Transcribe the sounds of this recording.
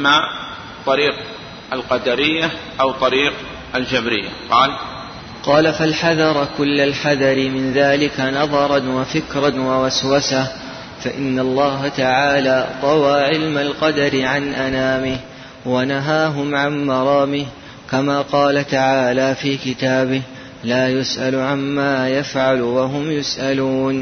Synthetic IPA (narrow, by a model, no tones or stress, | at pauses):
ma | t̪ˤɑɾiːq | alqɑd̪aɾɪjːa | ʔawt̪ˤɑɾiːq | ald͡ʒabɾɪjːa̰qɑːl | qɑːlafalħaðɑɾˤkʊlːalħaðɑɾɪmɪnðaːlɪkanɑðˤɑɾˤɑnwafɪkɾɑnwawaswasah | faʔɪnːalˤːɑːɦat̪aʕaːlaːt̪ˤɑwaːʕɪlmalqɑd̪aɾɪʕanʔanaːmɪh | wanaɦaːɦʊmʕanmɑɾˤɑːmɪh | kamaːqɑːlat̪aʕaːlaːfiːkɪt̪aːbɪh | laːjʊsʔalʕamːaːjafʕalwaɦʊmjʊsʔaluːn